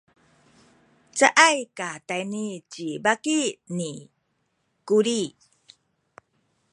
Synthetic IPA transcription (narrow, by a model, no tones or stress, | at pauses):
t͡saʔajkatajnit͡ɕibakini | kuɾi